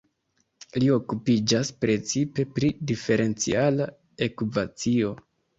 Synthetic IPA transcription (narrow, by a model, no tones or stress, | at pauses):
lio̞kupid͡ʒaspɾe̞t͡sipe̞pɾidife̞ɾe̞nt͡sḭala | e̞kuvat͡sio̞